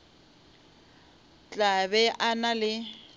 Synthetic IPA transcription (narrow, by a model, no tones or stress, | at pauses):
t͡ɬʼaβɛʔanalɪ